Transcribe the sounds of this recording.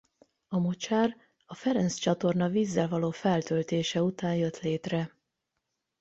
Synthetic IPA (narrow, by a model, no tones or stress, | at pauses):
ɒmot͡ʃaːr | ɒfɛɾɛnst͡ʃɒt̪o̞rnɒviːzːɛlvɒloːfɛlt̪ølt̪eːʃɛut̪aːnjø̞t̪leːt̪rɛ